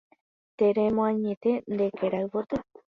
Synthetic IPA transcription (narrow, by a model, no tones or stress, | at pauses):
t̪eɾemoaɲet̪end̪ekeɾajβoɾt̪e